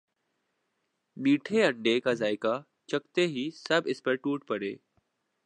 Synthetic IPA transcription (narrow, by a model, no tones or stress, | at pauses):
ɗiːʈʰeə̃ɳɖeːkaːzaːɪka | t͡ʃək̚t̪eɦiːsəbʱɪspəɾʈuːʈpəɽḛː